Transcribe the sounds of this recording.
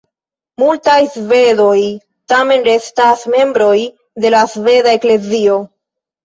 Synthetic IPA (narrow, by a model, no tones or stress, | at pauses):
multajsve̞do̞j | tame̞nɾe̞stasme̞mbɾo̞j | de̞lasve̞dae̞kle̞zio̞